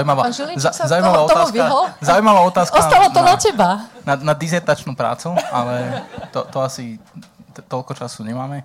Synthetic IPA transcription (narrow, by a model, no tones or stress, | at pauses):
zaujmaʋaːilzazaujmaʋaɔt̪ɔt̪asʋiaɔlzaujmaʋaːɔt̪aːskɔst̪alat̪ɔnacɛbananad̪izɛɾt̪at͡ʃnuːpɾa̰ːt͡sualɛt̪ɔt̪ɔasi | t̪ɔlkɔt͡ʃasuɲɛmaːmɛ